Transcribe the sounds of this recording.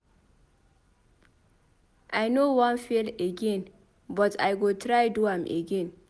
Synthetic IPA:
ʔajnowãnfileɡɛ̃n | bʌtʰajɡotɾajduãmʔḛɡɛ̃n

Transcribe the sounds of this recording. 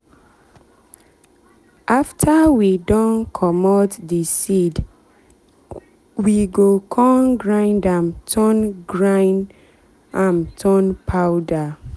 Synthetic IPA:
ʔaftʰawidɔ̃nkʰɔmɔtdisid | wiɡokʰɔ̃nɡɹãɪ̃ndãmtʰɔnɡɹãn | ãmtʰɔnpʰawda

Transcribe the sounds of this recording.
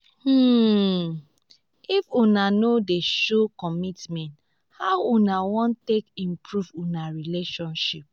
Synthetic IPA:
ifunanodeʃokɔmitmɛ̃nt | haʊunawɔ̃ntekĩmpɹuvunaɹileʃɔ̃nʃip̚

